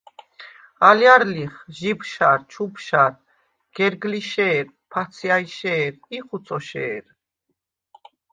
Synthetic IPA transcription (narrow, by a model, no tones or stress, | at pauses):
aljaɾliχʒibʃaɾt͡ʃʰupʰʃaɾ | ɡ̥ɛɾɡliʃɛːɾ | pʰat͡sʰjaiʃɛːɾiχut͡sʰɔʃɛ̰ːɾ